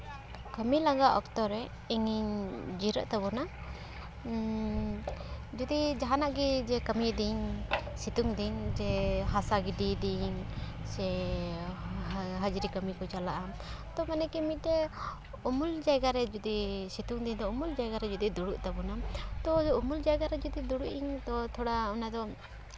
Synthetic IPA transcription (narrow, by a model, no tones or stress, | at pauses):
kəmilaɡaʔɔkt̪ɔɾɛ | iŋiɲd͡ʒiɾə̰ʔt̪abɔna | d͡ʒud̪id͡ʒaɦanaʔɡid͡ʒɛkəmiʔd̪iɲsit̪uŋd̪iɲd͡ʒɛɦasaɡidid̪iŋsɛ | ɦəd͡ʒɾikəmikɔt͡ʃalaʔa | t̪ɔmanɛkɛmiɛ | umuld͡ʒajɡaɾɛd͡ʒud̪isit̪uŋd̪iɲd̪ɔumuld͡ʒajɡaɾɛd͡ʒud̪id̪uɽuʔt̪abɔnat̪ɔumuld͡ʒajɡaɾɛd͡ʒud̪id̪uɽuʔiɲt̪ɔt̪ʰɔɽaɔnad̪ɔ